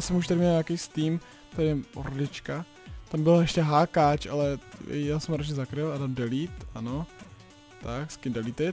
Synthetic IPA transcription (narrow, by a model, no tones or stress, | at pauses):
sɛmuʃt̪aɾɪmɲɛɲakejst̪iːm | t̪ajɛʔo̰ɾdɪt͡ʃka | t̪ambɪlaɛʃcɛɦaːkaːt͡ʃʔa̰lɛ̰jaːsɛmɾat͡ʃɲɛzakɾɪladamdɛliːt̪ano | t̪akskɪmdɛlit̪ɪ